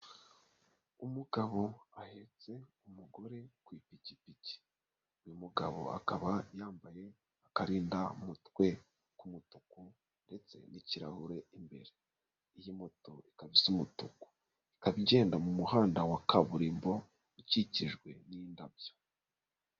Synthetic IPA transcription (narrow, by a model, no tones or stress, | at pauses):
umuɡaβo̞ahe̞t͡se̞umuɡo̞ɾe̞kwiːpicipici̥ | ujumuɡaβo̞̰a̰kaβajaːmbaje̞ | akaɾiːndamutwe̞ | kumutuku | nde̞t͡se̞̰niciɾa̰huɾe̞imbe̞̰ɾe | ijimo̞to̞ikaβisumutuku̥ | i̥kaβiɟe̞ːndamumuhaːndawakaβuɾiːmbo̞ | iciciʒɡwe̞nindabjo̥